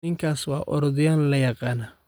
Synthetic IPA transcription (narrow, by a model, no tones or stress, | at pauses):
nɪŋkʰaːswɑ̰ːʔɔɾɔðɪjaːllɐjɑqɑːnaː